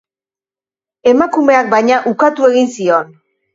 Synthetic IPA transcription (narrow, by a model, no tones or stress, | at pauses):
e̞makume̞ak̚bajɲaʔukat̪ue̞ɣinsio̞n